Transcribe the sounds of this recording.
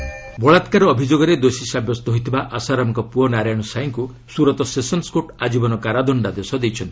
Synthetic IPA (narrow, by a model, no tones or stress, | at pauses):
bɔɭat̪kaɾɔːbʱid͡ʒoɡɔɾed̪osisabjɔst̪ɔɦojt̪ʰibaʔasaɾamɔkɔpuɔnaɾajɔɽ̃ɔsajŋku | suɾɔt̪ɔsesɔnskoʈad͡ʒibɔnɔkaɾad̪ɔɳɖad̪esɔd̪ejt͡ʃʰɔnt̪i